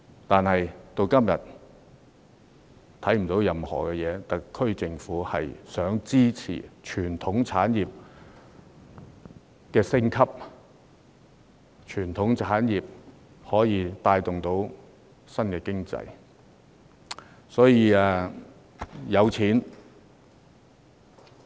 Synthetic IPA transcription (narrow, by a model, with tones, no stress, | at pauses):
t̪aː˨nhɐ˨jt̪o˧wkɐ˥mjɐ̰˨t̪̚ | t̪ʰɐ˨˥jm̩˨˩t̪o˨˥wjɐ˨mhɔ̰ː˨˩kɛ˧jɛː˨˧t̪ɐ˨kkʰːɵ˥ɥt͡sɪ˨ŋfuː˨˥hɐ̰˨jsœː˨˥ŋt͡siː˥t͡sʰḭː˨˩t͡ʃʰyː˨˩nt̪ʰʊ˨˥ŋt͡sʰaː˨˥njiː˨p̚ | kɛː˧sɪ˥ŋkʰɐ˥p̚ | t͡ʃʰyː˨˩nt̪ʰʊ˨˥ŋt͡sʰaː˨˥njiː˨p̚ | hɔː˨˥jiː˨˧t̪aː˧jt̪ʊ˨ŋt̪o˨˥w | sɐ˥nkɛː˧kɪ˥ŋt͡sɐ̰˧j | sɔː˨˥jiː˧ɛː˨˧ | jɐ˨˧wt͡sʰiː˨˥n